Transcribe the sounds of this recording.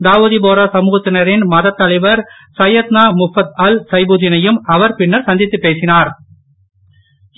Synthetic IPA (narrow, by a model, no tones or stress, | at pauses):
d̪aːʋuðip̬oːɾɐsɐmuːɣɐt̪ːɪnɐɾɪnmɐðɐt̪ːɐlɐɪʋɐɾ | sɐjɐt̪naːmʊfɐt̪ɐlsɐɪbuðɪnɐjɯmɐʋɐɾpɪnːɐɾsɐnd̪ɪt̪ːɯpːeːsɪnaːɾ